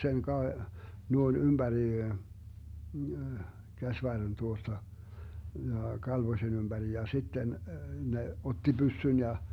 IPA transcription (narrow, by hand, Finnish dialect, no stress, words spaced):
sen kɑ nuoin ymb̥æri kæsʋɑrːen tuostɑ jɑ kɑlʋosen ymb̥æri jɑ sitːen ne otːi bysːyn jɑ